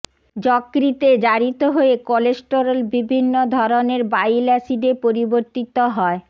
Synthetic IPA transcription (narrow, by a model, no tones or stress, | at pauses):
d͡ʑɔkːɾit̪ed͡ʑaɾit̪oɦoekɔlesʈoɾolbibʱinːod̪ʱɔɾoneɾbajlɛsiɖepoɾiboɾt̪it̪oɦɔe